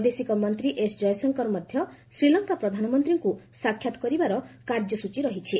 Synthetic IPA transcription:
d̪esikɔmɔnt̪ɾiʔesd͡ʒɔjɔsɔŋkɔɾmɔd̪ʱjɔsɾilɔŋkapɾɔd̪ʱanɔmɔnt̪ɾiŋkusakʰːjat̪ɔ̥kɔɾibaɾɔkaɾd͡ʒɔsut͡ʃiɾɔɦit͡ʃʰi

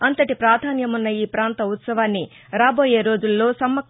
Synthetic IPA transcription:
ɐnt̪ɐʈipɾaːd̪ʱaːnjɐmunːɐiːpɾaːnt̪ɐut̪sɐʋaːnːi | ɾaːbo̞ːje̞ːɾo̞ːd͡ʒulːo̞ːsɐmːɐ

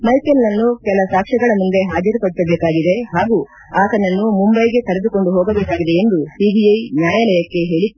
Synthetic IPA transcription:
mɐjkelnɐnːukɛlɐsaːkʂɐɡɐɭɐmund̪e̞ɦaːd͡ʒɐɾpɐɽisɐbeːkaːɡid̪e̞ɦaːɡu | aːk̪ɐnːɐnːumumbɐjɡe̞kɐɾe̞d̪uko̞ɳɖuɦɔːɡɐbeːkaːɡid̪e̞end̪usibijɐjnjaːjɐlɐjɐkːe̞ɦe̞ːɭi

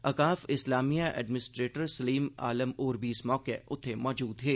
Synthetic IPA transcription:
ɐkaːfɪslaːmijaʔɛ̰ːɖmɪnɪsʈɾeːʈəɾsɐliːma̰ːləmoːɾbʱiːsmɔːkeʊt̪ʰːemɔːd͡ʒuːd̪ɦeː

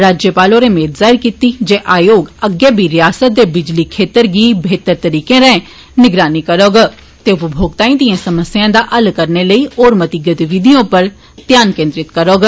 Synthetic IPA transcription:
ɾaːd͡ʒjəpaːlõɾemeːd̪zaːɪɾkiːt̪id͡ʒeːʔaːjoːɡəɡːeːbʱiɾɪjaːsət̪̚d̪ebɪd͡ʒlikʰeːt̪əɾɡiːbʱeːt̪əɾt̪əɾiːkẽɾɛ̃ | nɪɡɾaːnikəɾoːɡa | t̪eːʋubʱoːɡ̚t̪aːĩd̪iãsəməsjãːd̪aːʔɐlkəɾneləioːɾmət̪ɪɡət̪iʋɪd̪ijõpəɾ | t̪jaːnkẽːnd̪ɾɪt̪kəɾoːɡ

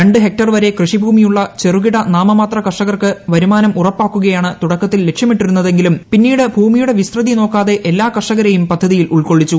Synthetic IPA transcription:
ɾɐɳɖɨɦe̞k̚ʈɐrʋɐɾe̞krɨʂibʱuːmijuɭːɐt͡ɕe̞ruɣiɽɐnaːmɐmaːt̪rɐkɐʂɐɣɐrkɨʋɐɾumaːnɐmʔurɐpːaːkːuɣɐjaːɳɨt̪uɽɐkːɐt̪ːilːe̞kʂjɐmiʈːiɾunːɐðe̞ŋɡilumpinːiːɽɨbʱuːmijuɽe̞ʋisrɐðino̞ːkːaːðe̞ʔelːaːkɐʂɐɣɐɾɐjumpɐd̪ʱːɐðijiluɭko̞ɭːit͡ɕːu

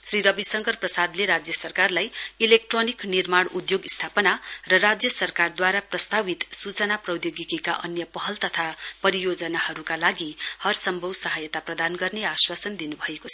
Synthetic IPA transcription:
sriɾʌbisʌŋɡʌrprʌsad̪leɾad͡zjʌsʌrkarlajilek̚ʈroniknirmaɽud̪joɡist̪ʰapʌnarʌrad͡zjʌsʌrkard̪waɾaprʌst̪abit̪sut͡sʌnaprʌwjoɡikeka̰ʔʌ̰njʌpʌɦʌlt̪ʌt̪ʰapʌɾijod͡zʌnahʌɾukalaɡihʌrsʌmbʱʌwsʌɦʌjʌt̪aprʌd̪anɡʌrneaswasʌnd̪inubʱʌekot͡sʰʌ

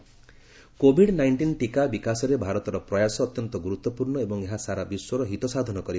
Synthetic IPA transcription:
kobʱiɽnajɳʈinʈikabikasɔɾebʱaɾɔt̪ɔɾɔpɾɔjasɔːt̪jɔnt̪ɔɡuɾut̪ːɔpuɾɳɔebɔŋeɦasaɾabiswɔɾɔɦit̪ɔsad̪ʱɔnɔkɔɾi

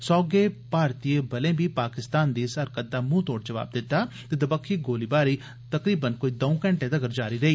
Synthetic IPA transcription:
sɔːɡeːpaːɾt̪iebɐlẽːbʱiːpaːkɪst̪aːnd̪iːsəɾkət̪̚d̪aːmũːt̪oːɽ̚d͡ʒəʋa̰ːb̚d̪ɪt̪ːaːt̪eːd̪əbəkʰːiːɡoːliːbaːɾiː | t̪ɐkɾiːbənkoːiːd̪ɔũkə̃ɳʈẽd̪əɡəɾd͡ʒaːɾiːɾɐiː

